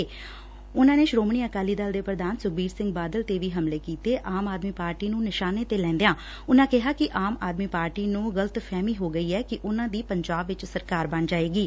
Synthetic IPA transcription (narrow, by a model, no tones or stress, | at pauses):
ʊnãːneːʃɾoːmɳiːəkaːliːd̪ald̪eːpɾəd̪aːnsʊk̚biːɾsɪ̃ŋɡbaːd̪əlt̪eːʋiːɦəmleːkiːt̪eːʔaːmaːd̪miːpaːɾʈiːnũːnɪʃaːneːt̪eːlɛ̃ːnd̪ejãː | ʊnãːkɪɦaːkɪʔaːmaːd̪miːpaːɾʈiːnũːɡələt̪pʰɛːmiːɦoːɡəiːɛːkɪʔʊnãːd̪iːpəɲd͡ʒaːbʋɪt͡ʃsəɾkaːɾbaɳd͡ʒaːeːɡiː